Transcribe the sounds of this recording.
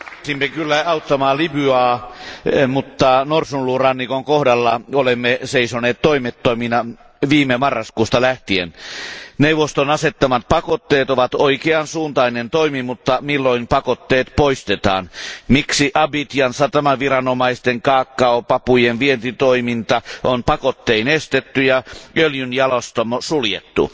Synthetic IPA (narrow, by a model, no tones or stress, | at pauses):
simːekylːæɑut̪ːɑmɑːlibyɑː | mut̪ːɑnorsunlurɑnːikoŋkohdɑlːɑolemːeseisoneːt̪t̪ːoimet̪ːoiminɑ | ʋiːmemɑrːɑskuːst̪ɑlæht̪iḛnneuwʋost̪onɑset̪ːɑmɑt̪̚pɑkot̪ːeːt̪oʋɑt̪oikeɑnsuːnt̪ɑinent̪oimimut̪ːɑmilːoimpɑkot̪ːeːt̪poist̪et̪ɑ̰ːnmiksiʔɑbit̪jɑnsɑt̪æmæʋirɑnomɑist̪eŋkɑːkːɑopɑpujenʋient̪it̪oimint̪ɑʔonpɑkot̪ːeinest̪et̪ːyjɑøljynjɑlost̪omosuljḛt̪ːṵ